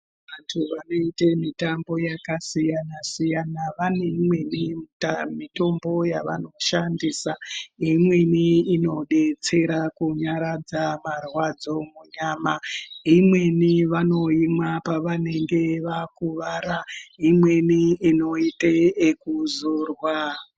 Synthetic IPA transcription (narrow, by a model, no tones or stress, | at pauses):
ʋantʰuʋano̞itemitambo̞jakasijanasijanaʋane̞mwe̞nimitamito̞mbo̞jaʋa̰no̞ʃandiːsaimwe̞niino̞ɗe̞t͡se̞ɾakuɲaɾad͡zamarwad͡zo̞muɲaːmaimwe̞niʋano̞imwapaʋane̞ŋɡe̞ʋakuʋaɾaimwe̞niːno̞iteekuzorwa